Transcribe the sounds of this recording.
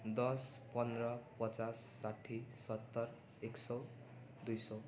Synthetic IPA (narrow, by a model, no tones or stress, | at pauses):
d̪ʌspʌnd̪rʌpʌt͡sasːaʈʰːisʌt̪ːʌr | eksʌw | d̪ujsʌ